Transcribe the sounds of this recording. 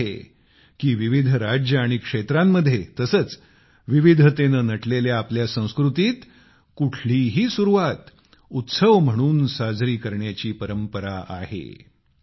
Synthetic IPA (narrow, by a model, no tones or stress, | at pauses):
e | kiːʋiʋid̪ʱɾad͡ʑjəaɽ̃ikʂet̪ɾamːəd̪ʱːjet̪əsəːt͡s | ʋiʋid̪ʱət̪enənəʈleljaːpljasə̃w̃skɾut̪iːt̪ | kuʈʰliɦiːsuɾuʋat̪ | ut̪səʋm̤əɽ̃uːnsad͡zɾiːkəɾɳjat͡ɕiːpəɾəmpəɾaʔa̰ɦḛ